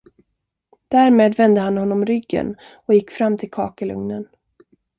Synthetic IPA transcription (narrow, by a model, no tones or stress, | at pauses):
d̪̥æːɾmeːd̪vɛnd̪əhanhɔnːɔmɾʏɡːə̰n | ɔjɪkːfɾamːt̪ʰɪlkʰɑ̰ːkəlɵ̰ŋnən